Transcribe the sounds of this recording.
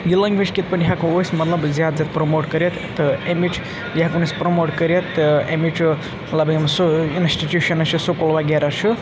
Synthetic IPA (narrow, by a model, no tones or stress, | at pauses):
jilɐŋɡʋit͡ʃkit̪̚pɐnʲjiɦakũosʲmɐt̪lɐbzjad̪zʲat̪̚pɾomoːʈkɐɾjet̪t̪ːɨemit͡ʃʰ | jakunisʲpɾomoʈkɐɾjɐt̪ːɨemit͡ʃʰ | mɐt̪lɐbimsuinsʈiʈʲjuʃɐnɐt͡ʃʰisokolbaɡeɾat͡ʃʰu